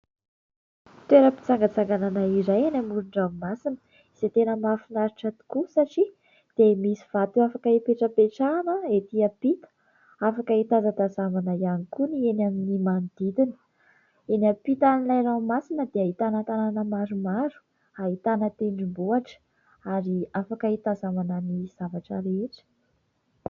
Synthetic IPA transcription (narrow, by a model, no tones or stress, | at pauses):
t̪ueɾəpi̥t͡saŋɡat͡saŋɡananaiɾajanamuɾuɳɖ͡ʐaumasinə̥ | iset̪enəmafinaɾiʈ͡ʂət̪u̥kusaʈ͡ʂi | d̪̥emisiv̥at̪uafakəipeʈ͡ʂəpeʈ͡ʂaːnəet̪iapit̪ə̥ | afakəit̪azad̪azamanajanikunienaminimand̪̥id̪inə̥ | enapit̪anilajramasinəd̪eaɦit̪anət̪ananəmaɾumaɾu̥ | ait̪anət̪eɳɖ͡ʐimbuaʈ͡ʂə̥ | aɾiafakəit̪azamananiz̥avaʈ͡ʂəɾeʈ͡ʂə̥